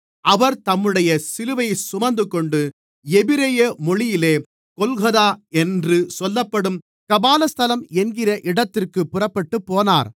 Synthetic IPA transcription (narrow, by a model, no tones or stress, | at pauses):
ɐʋɐɾt̪ɐmːɯɽɐjɐsɪlɯʋɐɪsʊmɐɾnd̪ɯkɔɳɖɯ | ɛbɪɾɐjɐmɔɻɪjɪleː | kɔlɣɐðaːɛndrɯsɔlːɐpːɐɽɯm | kɐbaːlɐst̪ɐlɐmɛnɡɪrɐʔɪɽɐt̪ːɪrkɯpːʊrɐpːɐʈːɯpːoːnaːɾ